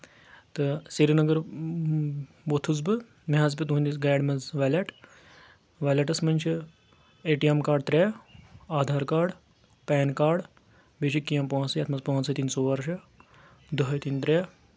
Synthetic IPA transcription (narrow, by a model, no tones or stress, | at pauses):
t̪ɨseɾinɐɡɐɾ | bot̪ʰuzbɨ | mʲaːzpʲit̪uũnʲd̪isɡaːɖmɐzʋɛːlʲɐʈ | ʋaːlʲɐʈɐsmɐnʲt͡ʃʰi | eːʈijemkaːɖ̚t̪ɾɛːaːd̪ʱaːɾkaːɖ | pɛːnkaːɖ | beːʃikːijɐ̃mpõːnsɐjɐːt̪ʰmɐzpõːnsʰɐt̪iːnsoːʋɐɾʃɐ | d̪ɐɦɐjt̪int̪ɾʲɛː